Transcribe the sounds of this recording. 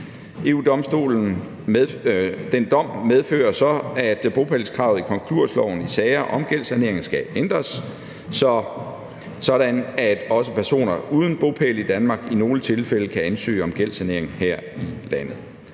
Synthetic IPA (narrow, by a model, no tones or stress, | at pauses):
e̝̰ːud̥ɒ̽msd̥o̝̰ːln̩ | d̥end̥ɒ̽m̰með̞ˠfø̰ːɐsɒ̽æd̥b̥ʁo̝pʰelskʰʁɑ̈ʊðˠikʰɒ̽ŋkʰluɐ̰slɒʊn̩isɛɪɐʔɒ̽mɡ̥el̰sæne̝ɐ̰eŋn̩sɡ̥æend̥ʁɐs | sɒ̽ | sɒ̽ɾænæd̥ɒ̽səpʰæɐso̝̰ːnɐuːð̞ˠn̩b̥ʁo̝pʰelid̥ænmɑ̈ːɡ̥ino̝ːlət͡sʰe̝lfel̰əkʰæænsø̰ːɒ̽mɡ̥el̰sæne̝ɐ̰e̝ŋn̩hæɐ̰ilæn̰ð̞̩ˠ